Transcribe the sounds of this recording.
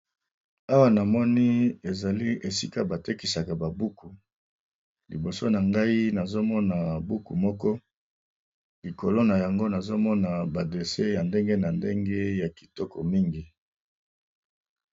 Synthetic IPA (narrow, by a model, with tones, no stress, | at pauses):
a˦wa˦na˨mɔ˦ni˦e˨za˨li˦e˨si˦ka˦ba˨te˦ki˨sa˨ka˨ba˨bu˦ku˨ | lḭ˨bo˨so˦na˨ŋɡa˦i˦na˨zo˦mɔ˦na˨bu˦ku˨mɔ˦kɔ˦ | li˨ko˨lo˦na˨ja˨ŋɡo˦na˨zo˦mɔ˦na˨ba˨de˨se˦ja˨nde˦ŋɡe˦na˨nde˦ŋɡe˦ja˨ki̥˨tɔ˦kɔ˨mi˦ŋɡi˨